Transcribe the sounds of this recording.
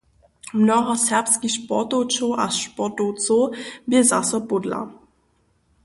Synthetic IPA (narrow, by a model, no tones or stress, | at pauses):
mnɔɦɔsɛʁpskixʃpɔt̪owt͡sowʔasʃpɔʁt̪owt͡suwbezasɔpud̪la̰